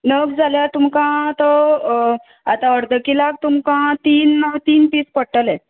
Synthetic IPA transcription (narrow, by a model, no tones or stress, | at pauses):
nəɡd͡zʱaljat̪umkãt̪ɔ | at̪ãəɾd̪ʱəkilak̚t̪umkãt̪iːnːəʋt̪iːnpiːspəɽʈəlɛ̃